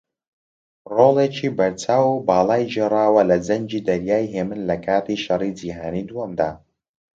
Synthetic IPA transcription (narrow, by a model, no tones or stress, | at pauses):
roːlˠet͡ʃʰiːbɐɾt͡ʃaːwubaːlˠaːjʒerˤaːwɐlɐd͡zɐɲd͡ʒid̪ɐɾjaːjɦeːmɨnlɐkʰaːt̪iʃɐrid͡ʒiːɦaːniːd̪uɐmd̪a̰ː